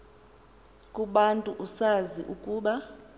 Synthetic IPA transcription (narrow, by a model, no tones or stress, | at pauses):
kʼuɓantʼuʔusaziʔukʼuːɓa